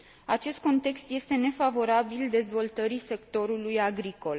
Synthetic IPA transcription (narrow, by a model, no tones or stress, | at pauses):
at͡ʃe̞st̪̚ko̞nt̪e̞kst̪je̞st̪e̞ne̞favo̞ɾabild̪e̞zvo̞lt̪əɾise̞kt̪o̞ɾulujaɡɾiko̞l